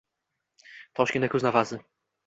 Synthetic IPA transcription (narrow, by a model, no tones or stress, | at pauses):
t̪ʰɔʃkʲinɛkuznavazɘ